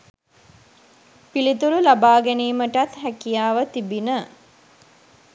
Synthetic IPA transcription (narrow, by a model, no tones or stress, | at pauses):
pilit̪uɾulabaːɡæniːməʈat̪ɦækijaːʋət̪ibinə